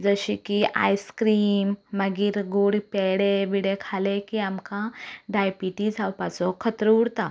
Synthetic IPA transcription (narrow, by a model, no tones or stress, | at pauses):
d͡zəɕikia̰jskɾiːmːəɡiːɾɡoɽipeɽeʋiɽekʰalekiamkãɖajpiʈid͡zʱawpat͡sɔkʰət̪ɾəuɽt̪a